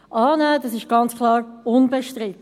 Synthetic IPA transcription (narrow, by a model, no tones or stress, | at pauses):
ʔɑːnədɑsɪʃɡ̥ɑnt͡skʰlɑːɾʊnbɛʃtɾɪt̪